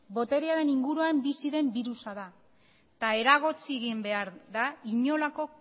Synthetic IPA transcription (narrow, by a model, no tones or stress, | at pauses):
bo̞t̪e̞ɾeaɾe̞niŋɡuɾuambisiðe̞mbiɾusaða | t̪ae̞ɾaɣ̞o̞t͡sieɣimbe̞aɾðaiɲo̞lako̞